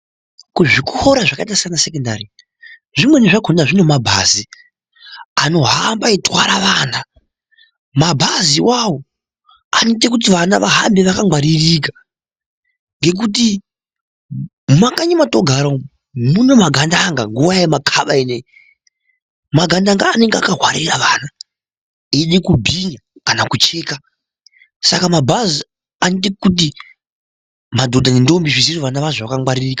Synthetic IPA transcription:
kuʐikuhoɾaʐakaitasanasekenda̰ri | ʐimwe̞neʐakʰondaʐino̞mabʱa̰zi | ano̞ɦambaitwaɾaʋaːna | mabʱaziwawo | anot̬ek̬ut̬iʋanaʋaɦambeʋakaŋwaɾirik̬a | ŋɡe̞k̬ut̬i | makaɲamatoɡʱaɾo | munomaɡʱandaŋɡaŋɡuʋajemakʰaɓaine | maɡʱandaŋɡaːne̞ŋɡeakaɦwa̰ɾiraʋaːna | eɗikubʱiɲakanakut͡ʃeːka | sakamabʱazi | anit̬ekut̬i | madʱo̞dʱanendombiʐiziroʋanaʋaʐoʋakaŋwaɾiriːka

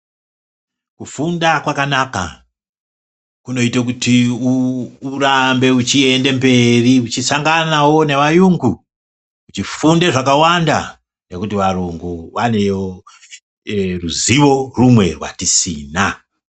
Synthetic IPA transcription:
kufundakwakanaka̰ | kuno̞itak̬uti | urambe̞ut͡ʃie̞nde̞mbe̞riut͡ʃisaŋɡanawo̞ne̞ʋajuŋɡu | ut͡ʃifundeʐakawanda̰ | nekutiʋaɾuŋɡuʋane̞o | ruziʋo̞rumwe̞̰rwa̰tisḭːna

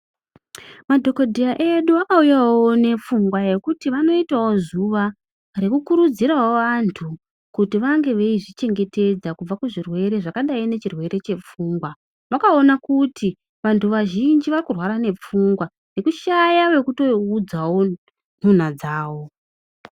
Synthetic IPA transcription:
madʱo̞ko̞dʱijaʔe̞ɗuakaujawo̞ne̞p͡fuŋɡwaje̞kutiʋano̞itawo̞zuʋa | re̞kukuɾud͡ziɾaoʋantʰu | kutiʋaŋɡe̞ʋeiʐit͡ʃe̞ŋɡe̞te̞d͡zakub͡vakuʐirwe̞ɾe̞ʐakaɗaine̞t͡ʃirwe̞ɾe̞t͡ʃe̞p͡fuːŋɡwa | ʋakaonakuti | ʋantʰuʋaʒind͡ʒiʋarikurwaɾane̞p͡fuŋɡwa | ne̞kuʃajawe̞kuto̞ud͡zawo̞ | n̤un̤ad͡zaːwo̞

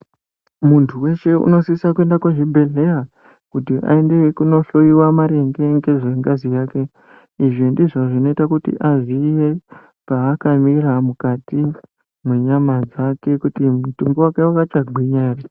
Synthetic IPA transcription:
muntʰuwe̞ʃe̞ṵno̞sisakue̞ndakweʐibʱe̞ɮe̞ja | kutiʔa̰e̞ndekuno̞ɬo̞iwamaɾe̞ŋɡe̞ŋɡe̞ʐe̞ŋɡazijaːke̞ | iʐindiʐo̞ʐino̞itakutḭʔaʐiːje̞ | paːkamiɾamukati | mwe̞ɲamad͡zake̞kutimutumbowake̞wakat͡ʃaɡʱwiɲari

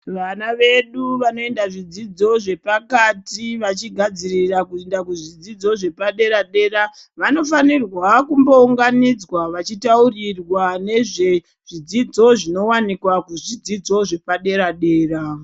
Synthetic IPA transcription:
ʋanaʋe̞ɗuʋano̞e̞ndaʐid͡zid͡zo̞ʐe̞pakatiʋat͡ʃiɡʱad͡zirirakuendakuʐid͡zid͡zo̞ʐe̞paɗe̞ɾaɗe̞ːraʋano̞fanirwakumbouŋɡanid͡zwaʋat͡ʃitaurirwane̞ʐe̞ | ʐ̥id͡zid͡zo̞ʐino̞wanikwakuʐid͡zid͡zo̞ʐe̞paɗe̞ɾaɗe̞ːra

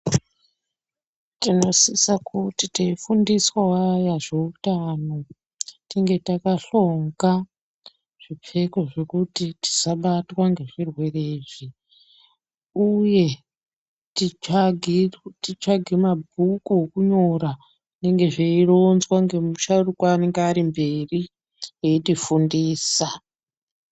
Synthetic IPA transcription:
tino̞sisakutiteifundiswaajaʐeutano̞ | tiŋɡe̞takaɬo̞ŋɡa | ʐ̥ip͡fe̞koʐekutiti̥saɓatwaŋɡe̞ʐ̥irwe̞reːʐi | uje̞ | tiɡʱitit͡ʂaɡʱirmabʱukuɦokuɲoɾa | neŋɡe̞ʐeiro̞nzwaŋɡe̞muʃaurukwaːne̞ŋɡeaɾimbe̞ri | jeitifundiːsa

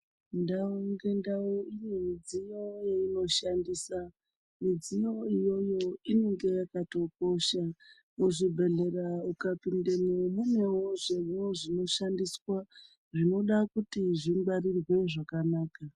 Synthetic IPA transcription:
ndauŋɡendauinemid͡zijo̞jeino̞ʃandisa | mid͡zijo̞ijo̞jo̞ineŋɡe̞jakato̞k̚o̞ʃa | muʐibʱe̞ɮe̞ɾaukapindemomume̞woʐe̞ʋoʐino̞ʃandiswa | ʐino̞ɗakutiʐimɡ͡baɾirwe̞ʐakanaːka

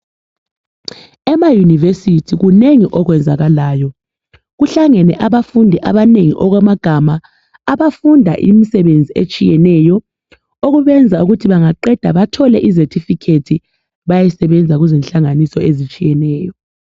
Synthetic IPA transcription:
ɛmajunivesitʰiɣuneŋiʔɔɣwɛnd͡zʱaɣalaːjɔ | ɣuɬaŋɛnɛʔaβafundʱiʔaβaneŋiʔɔɣwɛmaɡ̥ʱamaː | βafundʱa̰ʔḭmisɛβend͡zʱiet͡ʃʼijɛnɛjɔ | oɣuβɛnd͡zʱauɣutʰiβaŋaǃɛd̥ʱaβatʰɔlɛʔizetʰifikʰetʰi | βajɛsɛβɛnd͡zʱaɣuzɛnɬaŋanisɔezit͡ʃʼijɛnɛːjɔ

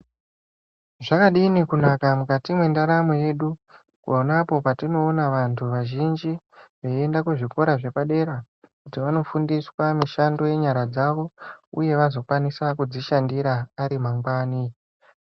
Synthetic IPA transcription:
ʐakaɗinikunakamukatimwendaɾamuje̞ɗu | kuonapo̞patino̞ːnaʋantʰuʋaʒind͡ʒi | ʋeendakuʐiko̞ɾaʐe̞paɗe̞ɾa | kutiʋano̞fundiswamiʃando̞je̞ɲaɾad͡zaʋo̞ṵje̞ʋazo̞kwanisakud͡ziʃandiɾaːɾimaŋɡwaːni

